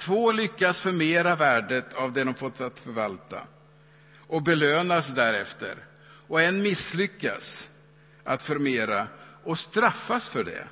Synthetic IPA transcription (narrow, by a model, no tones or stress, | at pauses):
t̪ʰvoːlʏkːasfœɾmeːɾavæːɖət̪ʰavd̪ɛd̪ɔmfɔt̪ːsat̪fœɾvalt̪a̰ | ʔɔbɛløːnasd̪æɾɛft̪ə̰ɾ | ɔɛnmɪslʏkːa̰s | ʔat̪fœɾmeːɾaʔɔst̪ɾafːasfœɖɛ̰